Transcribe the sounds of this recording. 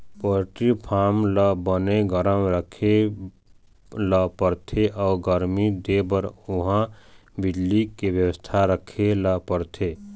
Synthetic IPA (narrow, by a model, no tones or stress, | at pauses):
poɾʈipʰaːmləbəneɡəɾəmɾəkʰe | ləpəɾt̪ʰeʔɔːɡəɾmid̪ebəɾʊɦãbɪd͡ʒlikebjəwəst̪ʰaɾəkʰelapəɾt̪ʰe